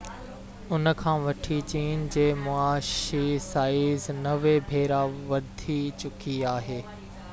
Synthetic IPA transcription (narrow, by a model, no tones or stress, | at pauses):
ʊnəkʰãːʋɐʈʰit͡ɕiːnd͡ʑeːmʊaːʃisaːɪznɐʋebʱeːɾaʋɐd̪ʱit͡ɕʊkiaːɦeː